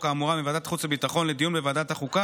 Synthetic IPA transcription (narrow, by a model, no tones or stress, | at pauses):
kaːmuʁamivad̪at̪χut͡sebitaχo̞nled̪ijunbevad̪ataχuka